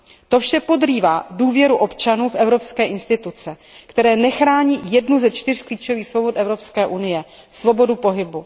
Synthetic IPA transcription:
t̪o̞fʃɛpo̞d̪riːvaːduːvjɛɾuʔo̞pt͡ʃanuːfʔɛvɾo̞pskɛːʔɪnst̪ɪt̪ut͡sɛ | kt̪ɛɾɛːnɛxɾaːɲiːjɛdnuzɛt͡ʃt̪ɪr̝̥kliːt͡ʃo̞viːxsvobo̞t̪ʔɛvɾo̞pskɛːʔunɪjɛ | svo̞bo̞dupo̞ɦɪbu

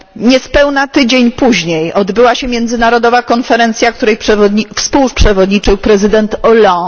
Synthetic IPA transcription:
ɲɛspɛwnat̪ɘd͡ʑeɲpuʑɲejʔɔd̪bɘwaɕɛmʲjɛnd̪zɘnaɾɔd̪ɔvakɔnfɛɾɛnt̪sʲjakt̪uɾɛjpʂɛfspuwpʂɛvɔd̪ɲit͡ʂɘwpɾɛzɘd̪ɛnt̪ɔlɔ̃

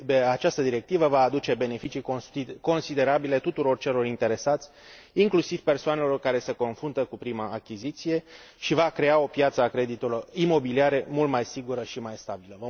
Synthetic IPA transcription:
peat͡ʃast̪əd̪iɾe̞k̚t̪ivəvaːd̪ut͡ʃe̞be̞ne̞fit͡ʃiko̞nsid̪e̞ɾabile̞t̪ut̪uɾo̞rt͡ʃe̞lo̞rint̪e̞ɾe̞sat̪sʲiŋklusiv̥pe̞rsoane̞lo̞rkaɾe̞seko̞nfɾunt̪əkupɾimaːkʲizit̪sije̞ʃivakɾe̞ao̞pjat̪səakɾe̞d̪it̪ulorimo̞biliaɾe̞mult̪majsiɡuɾəʃimajst̪abiləvə

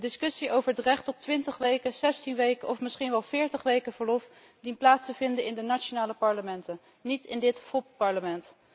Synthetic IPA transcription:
dɪskɵsiʔowvəɹətrɛχtɔp̚tʋɪntəχʋejkəzɛstinʋejkəɔfmɪsχinʋɛlˠv̥ɪːɹtəχʋejkəvəɹlɔf | dinplaːtstəvɪndəɪndənat͡ʃonaːləpɑɹləmɛntən | nitɪndɪtfɔp̚pɑɹləmɛnt

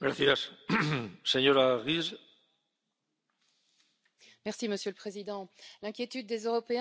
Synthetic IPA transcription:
ɡɾaθjas | seɲoɾaʁiz | mɛʁsiməsjøləpχezid̪ɑ̃lɛ̃kʲjet̪yd̪̚ːezøʁɔpẽ

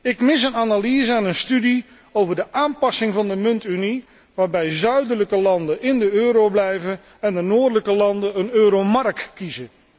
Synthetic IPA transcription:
ɪkmɪs̬ənaːnaliːzəɛnənstydi | owvəɹdəʔaːnpɑsɪŋvɑndəmɵntyni | ʋaːɹbɛjzœɥdələkəlɑndəʔɪndəøːɾowblɛjvən | ɛndənoːdələkəlɑndəənøːɾowmɑrk̚tkːizə

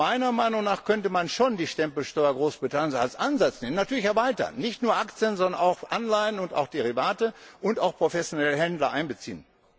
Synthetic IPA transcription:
aɪnɐmaɪnʊŋnaːχkʰœntəmanʃoːndiːʃtɛmpl̩ʃtɔʏɐɡʁoːsb̥ʁitʰanjənsalsʔanzat͡sneːmənatʰyːɐlɪçɛɐvaɪtɐ̰nːɪçtnuːɐʔakt͡sjənzɔndɐnaʊxʔanlaɪənʊnta̰ʊxd̥eʁivaːtəʔʊntaʊxpʁ̥ofɛsjonɛləɦɛndlɐʔaɪnbət͡sḭːən

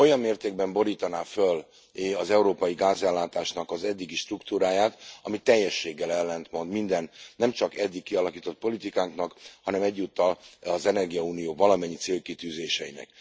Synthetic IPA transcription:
o̞jɒmːeːrt̪eːɡ̚bɛmbo̞ɾiːt̪ɒnaːføl | ɒzɛuɾoːpɒjiɡaːzɛlːaːt̪aːʃnɒkɒzɛd̪ːiɡiʃt̪rukt̪uːɾaːjaːt̪ɒmit̪ːɛjːɛʃːeːɡːɛlɛlːɛnt̪mond̪mind̪ɛnːɛmt͡ʃɒkɛd̪ːikːiɒlɒkiːt̪o̞t̪̚po̞lit̪ikaːŋknɒkhɒnɛmɛɟːuːt̪ːɒlɒzɛnɛrɡijɒuːnijoːvɒlɒmɛɲːit̪seːlkit̪yːzeːʃɛjinɛ̰k

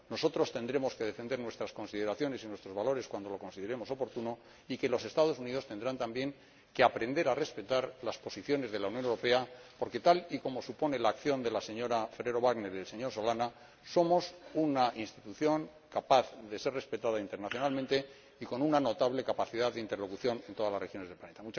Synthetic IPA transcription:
no̞so̞t̪ɾo̞st̪e̞nd̪ɾe̞mo̞ske̞ð̞e̞fe̞nd̪e̞ɾnwe̞st̪ɾasko̞nsið̞e̞ɾaθjo̞ne̞sinwe̞st̪ɾo̞zβalo̞ɾe̞skwand̪o̞lo̞ko̞nsiðe̞ɾe̞mo̞so̞po̞ɾt̪uno̞ | ike̞lo̞se̞st̪að̞o̞suniðo̞st̪e̞nd̪ɾant̪ambje̞ŋ | ke̞apɾe̞nd̪e̞ɾare̞spe̞t̪aɾlaspo̞siθjo̞ne̞zðe̞lawnjonewɾope̞apo̞ɾke̞t̪aliko̞mo̞supo̞ne̞laːkθjo̞nd̪e̞lase̞ɲo̞ɾafeɾe̞ɾo̞βaɣne̞ɾiðelse̞ɲo̞ɾso̞lana | so̞mo̞sunaʔinst̪it̪uθjo̞ŋ | kapaθðe̞se̞ɾre̞spe̞t̪aðaint̪eɾnaθjo̞nalmẽnt̪e̞ | iko̞nunano̞t̪aβle̞kapaθiðaðeint̪elo̞kuθjo̞ne̞nt̪o̞ðalazrexjo̞nezðelplane̞t̪amut͡ʃ

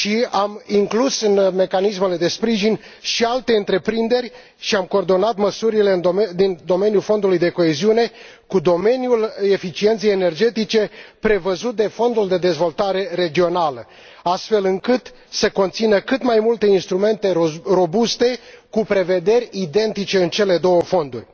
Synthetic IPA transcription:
ʃiamiŋklusɨnme̞kanisme̞le̞d̪e̞spɾiʒinʲ | ʃialt̪e̞ɨnt̪ɾe̞pɾind̪e̞rʲ | ʃiamko̞ːrd̪o̞nat̪məsuɾile̞ɨnd̪ind̪o̞me̞njulfo̞nd̪ulujd̪e̞ko̞eziune̞ | kud̪o̞me̞njule̞fit͡ʃie̞nt̪siejene̞rd͡ʒe̞t̪it͡ʃe̞pɾe̞vəzut̪̚d̪e̞fo̞nd̪uld̪e̞d̪e̞zvo̞lt̪aɾe̞ɾe̞d͡ʒio̞nalə | ast̪fe̞lɨŋkɨt̪ | se̞ko̞nt̪sinəkɨt̪majmult̪e̞inst̪ɾume̞nt̪e̞ro̞bust̪e̞kupɾe̞ve̞d̪e̞ɾʲid̪e̞nt̪it͡ʃe̞ɨnt͡ʃe̞le̞d̪o̞wəfo̞nd̪urʲ

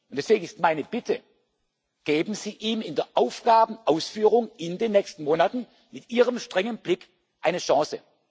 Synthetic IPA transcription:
ʔʊntd̥ɛsv̥eːɡŋ̩ɪstmaɪnəb̥ɪtʰə | ɡ̥eːbm̩ziːʔiːmɪndeːɐʔaʊfɡ̥aːbn̩ʔaʊsfyːʁʊŋɪndeːnːɛçstn̩moːnatn̩ | mɪtʔiːʁ̞əmʃtʁ̥ɛŋənb̥lɪk | ʔaɪnəʃɑ̃ːsə

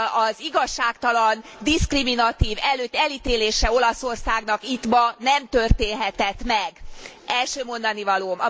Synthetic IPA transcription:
ɒziɡɒʃːaːkt̪ɒlɒnd̪iskriminɒt̪iːvɛløːt̪ːɛlit̪eːleːʃɛo̞lɒso̞rsaːɡnɒkit̪bɒnɛmt̪ørt̪eːnɦɛt̪ɛt̪mɛɡʔɛlʃøːmo̞nd̪ɒnivɒloːmɒ̰

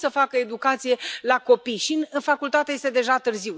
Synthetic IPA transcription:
səfakəe̞d̪ukat̪sije̞lako̞pijʃinɨfakult̪at̪eje̞st̪e̞d̪e̞ʒat̪ɨrziw

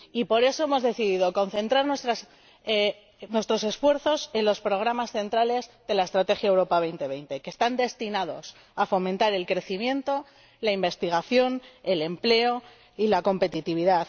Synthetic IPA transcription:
ipo̞ɾe̞so̞e̞mo̞zðe̞θiðiðo̞ko̞n̟θẽ̞nt̪ɾaɾnwe̞st̪ɾas | e | nwe̞st̪ɾo̞se̞sfwe̞ɾθo̞se̞nlo̞spɾo̞ɣ̞ɾamasθe̞nt̪ɾale̞zðe̞lae̞st̪ɾat̪e̞xjaewɾo̞paβ̞e̞jnt̪e̞β̞e̞jnt̪e̞keːst̪and̪e̞st̪inað̞o̞s | afo̞mẽnt̪aɾe̞lkɾe̞θimjẽ̞nt̪o̞ | laimbe̞st̪iɣ̞aθjo̞ne̞le̞mple̞o̞ | ilako̞mpe̞t̪it̪iβ̞iðaθ

